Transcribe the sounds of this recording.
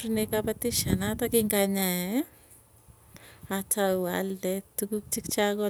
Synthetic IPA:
ɾnekapatiʃanatakɪŋɡaɲaɛ | atawa̰ldɛtukuk̚t͡ʃikt͡ʃaɡɔ

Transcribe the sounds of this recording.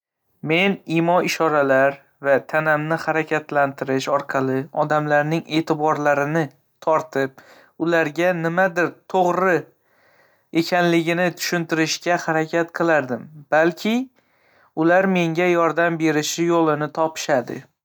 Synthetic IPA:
me̞nimɒɪʃɒɾalaɾ | vat̪ʰanamnɪhaɾakʲʰat̪lant̪ʰɪɾɪʃɒɾqʰɑlˠɪɒd̪amlaɾnɪŋe̞ːt̪ʰɪbɒɾlaɾɪnɪ | t̪ʰɒɾt̪ʰɪp̚ | ʊlaɾɡʲanɪmad̪ɪɾt̪ʰoʁɾɪ | e̞kʲʰanlɪɡʲɪnɪt̪ʰʊ̥ʃɪnt̪ɪɾɪʃkʲahaɾakʲʰat̪qʰɨlˠaɾd̪ɪmb̥alkʲʰɪ | ʊlaɾme̞ŋɡʲajɒɾd̪ambe̞ɾɪʃɪjolˠɪnɪt̪ʰɒpʰɪ̥ʃad̪ɪ̰

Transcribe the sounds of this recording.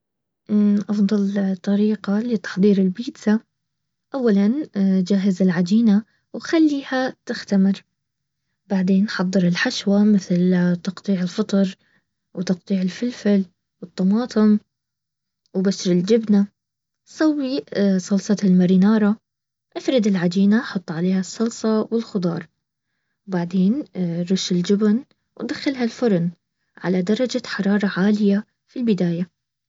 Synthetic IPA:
ʔʔɑfd̪ˤɑlt̪ˤːɑɾiːqalɪt̪ɑ̥ħðˤiːɾɪlbiːd̪sa | ʔawːaland͡ʒaːɦɪzɪlʕad͡ʒiːna | wxalːiːhat̪ɪxt̪amɪɾ | baʕd̪eːnʔħɑd̪ˤːɨɾɪlħaʃwamɪθlt̪ɑqt̪ˤiːʕɪlfɨt̪ˤɑɾˤ | wt̪ɑq̚t̪ˤiːʕɪlfɪlfɪl | wɨt̪ˤːɑmɑːt̪ˤɨm | wbasɾɪld͡ʒɪbna | sˤawːisˤɑlsˤɑlmaɾiːnɑːɾˤɑ | ʔafɾɪd̪ɪlʕad̪iːnaħʊt̪ˤːʕaleːhasˤːɑlsˤɑwɪlxʊd̪ˤɑːɾˤ | wbaʕd̪eːnɾuːʃɪld͡ʒʊbn | wd̪axːalɦalfʊɾˤn | ʕa̰lad̪ɑɾˤɑd͡ʒaħɑɾˤɑːɾˤɑʕaːlɪja | filbɪd̪aːja

